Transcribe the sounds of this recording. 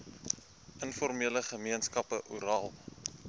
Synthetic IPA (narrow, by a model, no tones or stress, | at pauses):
ʔənfɔrmiələχəmiənskɐpəʔuɾɑːlˠ